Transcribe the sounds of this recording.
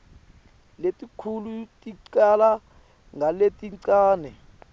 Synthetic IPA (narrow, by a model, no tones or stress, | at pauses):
letʼikʰulutʼiǀala | ŋʱaletʼiǀaːnɛ